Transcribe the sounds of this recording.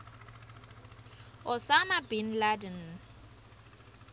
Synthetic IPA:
ʊsamabin̩ladɛn

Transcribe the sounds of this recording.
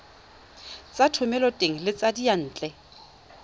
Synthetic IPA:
t͡sʼatʰʊmɛlɔtʼeŋ̩lɪt͡sʼadian̩ːt͡ɬʼɛ

